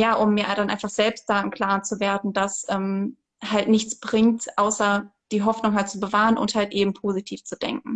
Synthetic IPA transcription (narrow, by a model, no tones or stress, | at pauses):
jaːʔʊmːiːɐɾanʔaɪnfaχz̥ɛlpst̚d̥aɪnkʰl̥aːɐt͡suveːɐdn̩d̥asʔɛːm | haltnɪçt͡sb̥ʁɪŋtʔaʊsɐd̥iːɦɔfnʊŋɦalt̚t͡subəvaːʁənʔʊ̰nthaltʔeːbm̩pʰoːzitʰiːft͡sud̥ɛ̰ŋk̚ŋ̩